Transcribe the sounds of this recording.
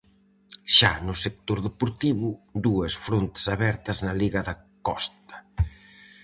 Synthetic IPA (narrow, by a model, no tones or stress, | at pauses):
ʃanʊsek̚t̪oɾðepuɾt̪iβʊd̪uɐsfɾont̪ɪ̥saβɛɾt̪ɐznɐliɣɐðɐ | kɔst̪ɐ̥